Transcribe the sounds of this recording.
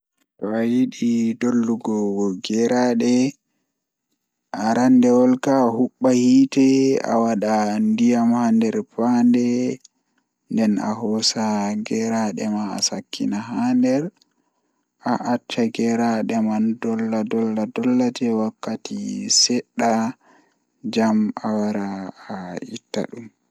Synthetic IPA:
tɔajiɗidolːuɡɔɡɛɾaɗɛ | ʔaɾandɛwɔlkahuɓːahiːtɛa̰waɗandijamhandɛɾpandɛ | ndɛna̰ɦɔsaɡɛɾaɗɛma̰ːsakʰːḭnaɦandɛɾ | ʔaʔatʰːaɡɛɾaɗɛmandɔlːadɔlːadɔlːatɛwakːatisɛɗːa | d͡ʒamawaɾaː | itːa̰ɗum

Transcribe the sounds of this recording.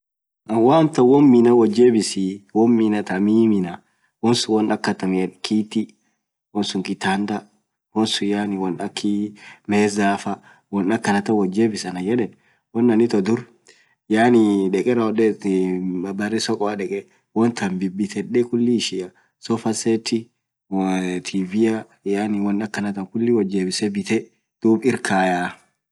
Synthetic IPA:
ɐwaːnt̪ɐwɔnːɪnɐwɔd͡ʒːebɪsiwɔmːɪnɐt̪ɐmimɪnɐ | wɔnsʊwɔnɐkːɐt̪ɐmɪkʰiːt̪i | wɔnsʊŋkɪt̪aːnd̪ɐ | wɔnsʊjaːnɪwɔnɐkʰːimeːzaːfɐ | wɔnɐkːɐnɐt̪ɐwɔd͡ʒeːbɪsɐnɐjɛᶑɛn | wɔnːɐnɪt̪ɔd̪ʊɾ | jaːnɪᶑɛkʼɛɾɐɔɗɛ | ɐbɐrɪsɔkʼɔaᶑɛkʼɛ | wɔnt̪ʰɐmbɪbːɪt̪ɛᶑɛkʊlːiʃɪjɐ | sɔfɐset̪ːɪ | wt̪ʰiːvɪjɐ | janɪwɔnːɐkːɐnɐt̪ɐŋkʊlːɪwɔd͡ʒːeːbɪsɛbɪt̪ɛ | d̪̥uːbɪɾkʰaːjaː

